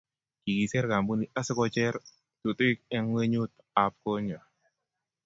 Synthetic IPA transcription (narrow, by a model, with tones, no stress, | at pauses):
ki˨ɡi˨sɛ˦rka˨mbu˦ni˨a˦sə˦kɔ˧t͡ʃɛ˦r | t̪u˨t̪i˦k̚ɛ˦ŋwe˦ɲu˦t̪̚ | a˨p̚ko˦ɲɔ˨